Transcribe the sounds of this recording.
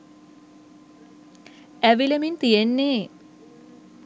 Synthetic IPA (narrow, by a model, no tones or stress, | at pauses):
æʋiləmint̪ijenːe